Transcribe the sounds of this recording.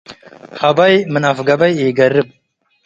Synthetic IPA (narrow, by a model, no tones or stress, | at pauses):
hɐbɐjmɨnɐfɡɐbɐjeːɡɐɾːɨb̚